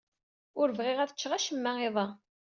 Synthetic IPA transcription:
ʊɾəvʁɪʁæθə̥t͡ʃːʁaʃəmːæeðˤɑ

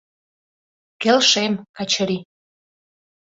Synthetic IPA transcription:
kelʃemkɑt͡ɕəɾi

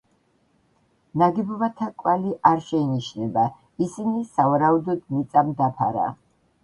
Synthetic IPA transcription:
naɡɛbɔbat̪ʰakʼwaliʔaɾʃɛiniʃnɛba | isinisavaɾaud̪ɔd̪mit̪sʼamd̪apʰa̰ɾa̰

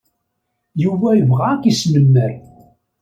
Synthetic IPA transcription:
juvæjəvʁakismənːæɾ

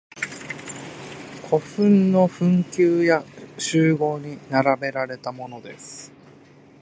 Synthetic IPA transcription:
kʰo̞ɸɯ̟̃nːo̞ɸɯ̟̃ŋkʲɨːjaɕɨːɡo̞ːɲ̟inaɾabe̞ɾaɾe̞t̪amo̞no̞d̪e̞sɨ̥

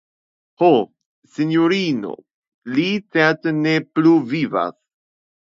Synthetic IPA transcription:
ho | sinjoɾino̞̰ | lit͡seɾtenepluviva̰s

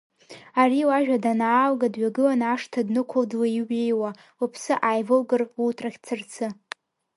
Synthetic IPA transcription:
ariwaʒᶣadanaːlɡadɥaɡɨlanaʂtʰadnɨkʷʰʊldwaiwejwa | upʰsɨʔajvɨlɡɨrutʰraχʲt͡sʰɨrt͡sʰɨ

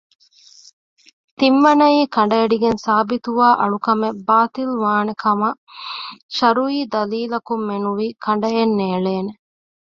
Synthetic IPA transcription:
t̪imʋɐnɐiːkɐɳɖɐeɖiɡensaːbit̪uʋaːʔɐɭukɐmebaːt̪ilʋaːnekʰɐmɐ | ʃɐɾuiːd̪ɐliːlɐkumːenuʋiːkʰɐɳ̆ɖɐjenːeːɭeːne

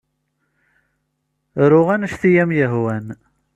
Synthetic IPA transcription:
ɾʊʁænʃθijæmjəɦwæn

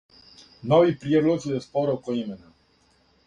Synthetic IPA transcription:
noʋipɾied̪lˠozjespoɾokoimena

